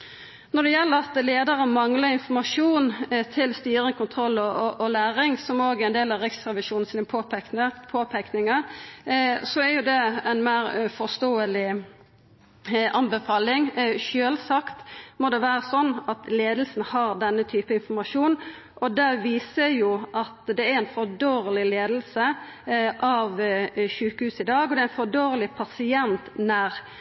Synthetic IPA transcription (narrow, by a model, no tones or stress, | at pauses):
nɔd̪ɛjɛlːəɾɑt̪leːd̪əɾəmɑŋlɑɾɪnfɔmɑʂuːnt̪ʰɪlst̪yːɾɪŋkʊnt̪ʰɾɔlːɔʔɔlæːɾɪŋsɔmoːɡəɛɪnd̪eːlɑʋɾɪksʁɛʋɪʃuːnn̩sinpʰop̪əpʰoːpʰæknɪŋəɾ | sɔæɾjʊd̪ɛɛnmæɪɾfɔst̪oːəlɪ | ʔɑnbəfɑːlɪŋʃøːlsɑkt̪mɔd̪ɛʋæːɾəsɔnːɑt̪leːd̪l̩sn̩hɑɾd̪ɛnːət̪ʰyːpəɪnfɔɾmɑʂuːn | ʔɔd̪æʋiːsəɾjʊʔɑt̪d̪ɛæɾæɪnfɔd̪oːɾlɪleːd̪l̩sə | ʔɑʋʃʉːkəhʉːsɪd̪ɑːɡɔd̪ɛæɪnfɔd̪oːɾlɪpʰɑsɪɛnt̪næɾ